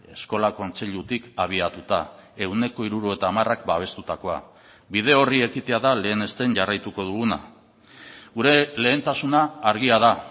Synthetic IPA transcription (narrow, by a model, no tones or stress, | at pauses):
e̞sko̞lako̞nt͡se̞ʎut̪ikaβ̞iat̪ut̪ae̞wne̞ko̞iɾuɾue̞t̪aːmarakbaβ̞e̞st̪ut̪ako̞a̰ | bið̞e̞o̞rie̞kit̪e̞aðale̞ːne̞st̪e̞nʝarajt̪uko̞ðuɣ̞una̰ | ɣuɾe̞le̞ːnt̪asunaːɾɣ̞iaða